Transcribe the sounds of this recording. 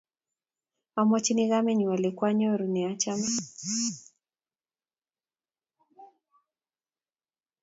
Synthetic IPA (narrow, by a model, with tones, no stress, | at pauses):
a˨mɔ˦t͡ʃi˦ni˦ɣamɛɲu˨wa˨lɛ˨kwa˦ɲɔ˦ɾu˨ni˨a˦t͡ʃamɛ˦